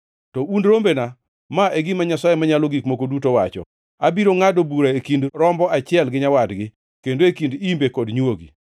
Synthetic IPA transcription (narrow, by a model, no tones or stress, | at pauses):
tɔundɾombena | maʔeɡimaɲasajemaɲaloɡikmokodutowat͡ʃɔ̰ | abiɾoŋadobuɾaekindɾɔmbɔat͡ʃɪɛlɡɪɲawadɡɪ | kendoekindimbekɔdɲwoɡḭ